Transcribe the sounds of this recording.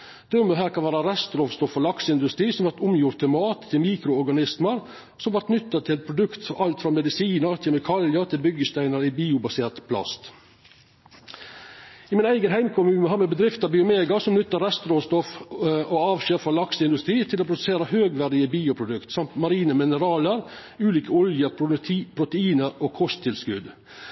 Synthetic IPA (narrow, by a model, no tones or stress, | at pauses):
d̪̥ɛmːəɦæːɾkʰɑnʋæːɾɑɾɛst̪ɾɔʋst̪ɔfɔlɑksəɪnd̪ʉst̪ɾiːsɔmʋɑɾt̪ʊmjʊɾt̪əmɑːt̪ʰːɪlmiːkɾʊɔɾɡɑnɪsməɾ | sɔmʋɑɾt̪nʏt̪ːət̪ʰɪlpʰɾʊd̪ʉkt̪ɑlt̪fɾɑmɛd̪ɪsiːnəɾt̪ʰɪlmɪkʰɑljəɾt̪ʰɪlbʏɡəst̪æɪnəɾibiːʊbɑseːt̪pʰlɑ̰st̪ | iːmɪnæɪɡənɦæɪmkʰʊmʉːnəhɑːɾmɛbəd̪ɾɪft̪ɑbɪʊmeːɡɑsɔmnʏt̪ːəɾɛst̪ɾoːst̪ɔfoːɑːʋʃeːɾfɾɑlɑksəɪnd̪ʉst̪ɾiːt̪ʰɪloːpʰɾʊd̪ʉseːɾəhøːɡʋæɾd̪ɪəbiːʊpʰɾʊd̪ʉkt̪sɑmt̪mɑɾiːnəmɪnəɾɑːləɾ | ʉːliːkəɔljəpʰɾʊt̪əiːnəɾoːkʰɔst̪ʰɪlskʉd̪